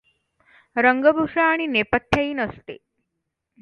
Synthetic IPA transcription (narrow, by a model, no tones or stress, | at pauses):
ɾəŋɡəbʱuʂaːɽ̃inepət̪ʰːjaiːnəst̪ḛ